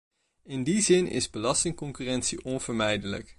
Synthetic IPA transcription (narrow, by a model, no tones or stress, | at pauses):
ɪndizɪnʔɪ̰zbəlɑstɪŋkɔŋkyːrɛnsiʔɔnv̥əɹmɛjdələ̰k